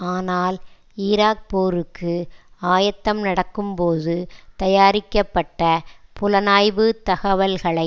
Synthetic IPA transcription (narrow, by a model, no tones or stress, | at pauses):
aːnaːl | iːɾaːk̚poːɾɯkːɯaːjɐt̪ːɐmnɐɽɐkːɯmpoːðɯt̪ɐjaːɾɪkːɐpːɐʈːɐpʊlɐnaːjʋɯt̪ɐɣɐʋɐlɣɐɭɐɪ